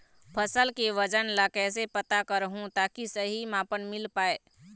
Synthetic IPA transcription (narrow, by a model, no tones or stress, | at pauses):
pʰəsəlkeʋəd͡ʒənlakɛːsepət̪akəɾɦũt̪aːkisəɦimãːpənmɪlpaːeː